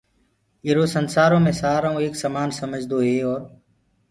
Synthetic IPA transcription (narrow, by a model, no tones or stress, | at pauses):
ɪɾoːsənsaːɾõːmẽːsaːɾaũːeːksəmaːnsəməd͡ʒd̪oːɦeːɔːɾ